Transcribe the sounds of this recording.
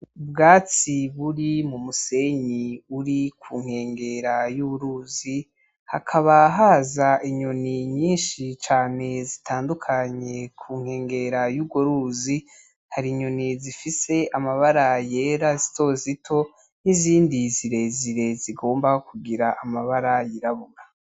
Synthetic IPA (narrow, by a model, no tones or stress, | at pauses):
bɡaːt͡siβuɾimumuse̞ɲiuɾikʰuːŋ̥he̞ːŋɡe̞ɾajuːβuɾuzi | ha̰kʰaβaɦaːzaʔiɲoniɲiːnʃit͡ʃaːne̞zitʰaːndukʰaɲe̞kʰuːŋ̥he̞ːŋɡe̞ɾajuːɡwoɾuːzi | haɾiɲonizifise̞ʔamaβaɾajeːɾazito̞zitʰo̞ | niziːndiziɾe̞ziɾe̞ziɡo̞ːmbakʰuɡiɾaʔamaβaɾajiɾaβona